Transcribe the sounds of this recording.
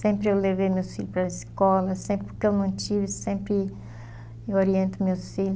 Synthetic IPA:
sẽmpɾɪewlevejmewsfiʎʊpɾɐiskɔlɐsẽmpɾɪpʊɾkeewnɐ̃w̃t͡ʃivɪsẽmpɾɪ | woɾiẽnt̪ʊmewsfiʎʊ

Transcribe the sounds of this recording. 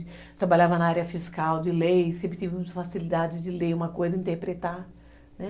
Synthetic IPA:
ɪ | t̪ɾabaʎavɐnɐaɾiɐfiskawd͡ʒɪlejsẽmpɾɪt͡ʃ̪ivɪ̃ɐfasilid̪ad͡ʒɪd͡ʒɪleũmɐkojzɐĩnt̪eɾpɾet̪a | nɛ

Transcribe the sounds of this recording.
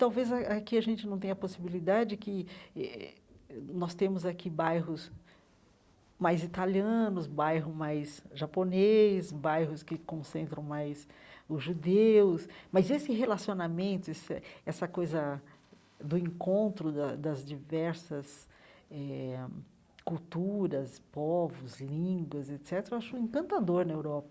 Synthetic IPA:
t̪awvezɐakiaʒẽnt͡ʃɪnɐ̃w̃t̪ẽɲ̃ɐposibilid̪ad͡ʒɪd͡ʒɪkɪɛ̰ | nɔst̪ẽmʊzakibajɦʊs | majzit̪aliɐ̃nʊsbajɦʊmajsʒaponesbajɦʊskɪkõsẽnt̪ɾɐ̃w̃majsʊzʒud̪ewsmɐzesɪɦelasionamẽnt̪ʊesɐ̰ɛsɐkojzɐ | d̪ʊẽŋkõnt̪ɾʊd̪ɐd̪ɐzd͡ʒivɛɾsɐs | ɛ | kuwt̪uɾɐspɔvʊzlĩɡwɐzet̪sɛt̪eɾɐewaʃʊẽŋkɐ̃nt̪ad̪oɾnɐewɾɔpɐ

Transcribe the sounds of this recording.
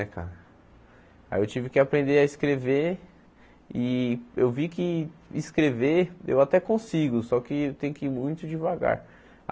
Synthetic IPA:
ɛka̰ɾɐ | a̰iewt͡ʃivɪkɪapɾẽnd̪eɐiskɾeve | ɪewvikɪiskɾeveḛwat̪ɛkõsiɡʊsɔkɪewt̪ẽj̃ʊkɪiɾmũj̃t̪ʊd͡ʒivaɡa̰ɾ

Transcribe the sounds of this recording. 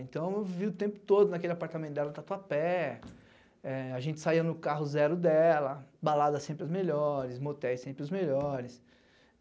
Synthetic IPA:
ẽnt̪ɐ̃w̃ewviʊt̪ẽmpʊ̥t̪od̪ʊnakelɪapaɾt̪amẽt̪ʊd̪ɛlɐd̪at̪uɐpɛ | ɛaʒẽnt͡ʃɪ̥saiɐnʊkaɦʊzɛɾʊd̪ɛlɐbalad̪ɐsẽpɾɪʊzmeʎɔɾɪsmot̪ɛjsẽmpɾɪʊzmeʎɔɾɪs

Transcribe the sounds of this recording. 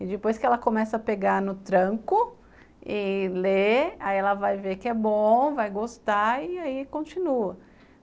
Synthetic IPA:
ɪd͡ʒɪpojskɪɛlɐkomɛsɐapeɡanʊt̪ɾɐ̃kʊ | ɪleaiɛlɐvajvekɪɛbõvajɡost̪aɪaikõt͡ʃinuɐ

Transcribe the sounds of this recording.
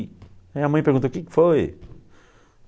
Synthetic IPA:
ajɐmɐ̃j̃peɾũt̪oʊkɪkɪ̥foj

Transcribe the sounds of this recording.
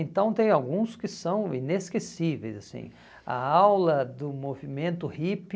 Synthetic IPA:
ẽnt̪ɐ̃w̃t̪ẽj̃awɡũskɪsɐ̃w̃ḭ̃neskesivḛjzasḭ̃ | ɐ̰awlɐd̪ʊmovimẽnt̪ʊhip

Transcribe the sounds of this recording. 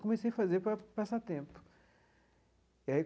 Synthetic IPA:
komesejɐfɐzeɾpɾɐpasat̪ẽmpʊ̥ | iɐi

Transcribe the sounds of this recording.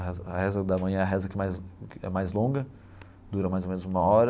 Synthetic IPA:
ɦɛzɐɦɛzɐd̪ɐmɐ̃jɐ̃ɛɐɦɛzɐkɛmajzɛ̰majzlõɡɐ | d̪uɾɐmajzowmẽnʊzũmɐɔɾɐ

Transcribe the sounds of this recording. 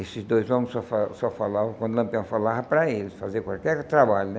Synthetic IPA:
esɪzd̪ojzvɐ̃mʊsɔfasɔfalavɐ̃kwɐ̃nd̪ulɐ̃mpiɐ̃w̃falavɐpɾɐelɪsfazekwalkɛɾt̪ɾabaʎʊnɛ

